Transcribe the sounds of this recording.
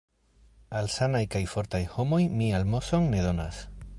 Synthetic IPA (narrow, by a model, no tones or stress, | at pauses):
alsanajkajfo̞ɾt̪ajho̞mo̞jmialmo̞so̞ŋne̞ðo̞nas